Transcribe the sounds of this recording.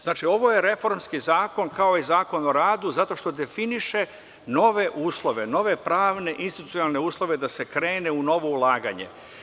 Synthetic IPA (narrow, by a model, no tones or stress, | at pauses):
znaːt͡ʃio̞ʋo̞jeɾe̞fo̞ɾmskizaːko̞nkao̞izaːko̞noɾaːd̪uzat̪o̞ʃt̪o̞d̪e̞finiʃe̞ | no̞ʋe̞ʔuːslˠo̞ʋe̞no̞ʋe̞pɾaːʋne̞ʔinst̪it̪u̥t̪ijonalˠne̞uːslˠo̞ʋe̞d̪ase̞kɾe̞ːneuno̞ʋo̞ulˠaːɡa̰ɲe̞̰